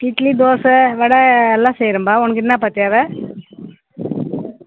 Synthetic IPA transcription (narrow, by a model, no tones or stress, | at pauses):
ʈiʈlid̪oːsɐʋɛɽɐɛlːãːsɛjɾɯmbaːɔnːɐk̬ːɪnnãːpaːɾt̪ːɪaːʋɛ